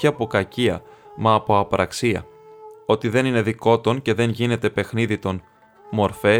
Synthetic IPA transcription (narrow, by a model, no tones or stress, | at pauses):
iɐpo̞kɐciɐ̰mɐːpo̞ɐpɾʔɐksiɐ̰ | o̞t̪iðe̞nine̞ðiko̞t̪o̞nce̞ðe̞ɲʝine̞t̪e̞pe̞xniðit̪o̞n | mo̞ɾfe̞